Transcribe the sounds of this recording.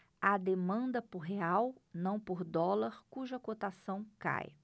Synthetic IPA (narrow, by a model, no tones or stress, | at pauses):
ad̪emɐ̃nd̪ɐpoɾɦeawnɐ̃w̃poɾd̪ɔlɐɾkuʒɐkot̪asɐ̃w̃ka̰j